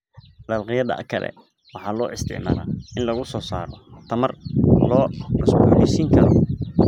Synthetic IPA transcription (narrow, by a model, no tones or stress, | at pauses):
lɐlqɪjɐðɐ̰kʰɐlɛ̰ | wɑħɑːlɔːʔɪst̪ʰɪ̰ʕma̰ːla̰ːɪnlɐɣʊsɔːsa̰ːɾɔt̪ʰɐmɐrlɔːmɐsɡuːlɛsiːŋkʰɐɾɔ̰